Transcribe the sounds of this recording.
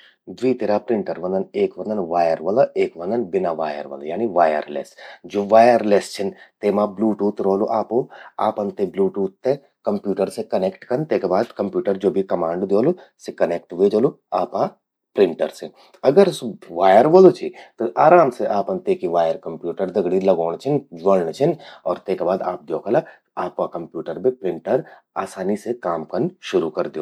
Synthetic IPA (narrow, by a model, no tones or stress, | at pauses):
d̪ʋiːt̪eɾaːpɾɪ̃ɳʈəɾʋɐ̃nd̪əneːkʋɐ̃nd̪ənʋaːjəɾʋɐlaʔeːkʋɐ̃nd̪ənbɪnaʋaːjə̰ɾʋɐ̰lajaːniʋaːjə̰ɾlḛːsd͡ʒoːʋaːjəɾleːst͡ʃʰɪnt̪eːmãbluːʈuːt̪ɾoːloʔaːpoa̰ːpɐnt̪ebluːʈuːt̪ːe | kɐmpjuːʈəɾsekɐneːkʈkɐnt̪eːkebaːd̪kɐmpjuːʈəɾd͡ʒoːbʱikɐmãːɳɖd̪joːlu | sekɐneːk̚ʈʋeːd͡ʒoːlo | aːpa | pɾɪ̃ɳʈəɾse | ɐɡəɾsʋaːjəɾʋoːlot͡ʃʰit̪oʔaːɾaːmseʔaːpɐ̃nt̪ekiʋaːjəɾkɐmpjuːʈəɾd̪ɐɡɽilɐɡoːɳt͡ʃʰɪnd͡ʒʋolnt͡ʃʰɪnɔːɾt̪eːkebaːd̪a̰ːp̚d͡ʒ̪oːkʰəla | aːpakɐ̃mpjuːʈəɾbʱipɾɪ̃ɳʈəɾ | aːsaːnisekaːmkɐɾnʃʊɾukɐɾd̪eoː